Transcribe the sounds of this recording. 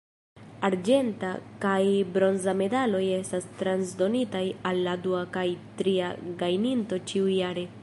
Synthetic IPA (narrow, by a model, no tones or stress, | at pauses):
aɾd͡ʒe̞ntakajbɾo̞nzame̞dalo̞je̞stastɾansdo̞nitajalːaduakajtɾiaɡajninto̞t͡ʃiujaɾe̞